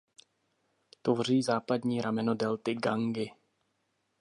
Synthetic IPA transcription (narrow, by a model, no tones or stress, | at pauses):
t̪ovr̝iːzaːpadɲiːɾamɛno̞dɛlt̪ɪɡaŋɡɪ